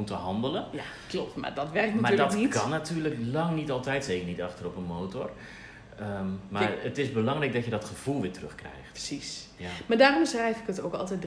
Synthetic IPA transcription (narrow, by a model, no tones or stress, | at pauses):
utəɦɑndələnja | klɔp̚tma̰dɔtʋɛrk̚ntmayːdəɔtnitkɑnːatyːɹləklɑŋnitɑlˠtɛjtsejkərnitɑχtərɔpənmoːtɔr | əmarətɪsbəlɑŋrɛjk̚dɔtjədɔtχəv̥ulˠʋɪːtrɵxkrɛ̰jxtə̥sismadaːrɔmsrɛjfɪkətowkɑ̰lˠtɛjd